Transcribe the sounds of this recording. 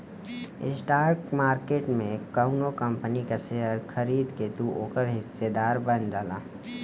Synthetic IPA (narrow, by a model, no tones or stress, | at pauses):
ɪ̰sʈaːɾkmaːɾkeːʈmẽkəɦunokə̃mpənikaseɦəɾxʰəɾiːd̪ked̪uʔoːkəɾɦɪsːed̪aːɾbənd̪aːla̰ː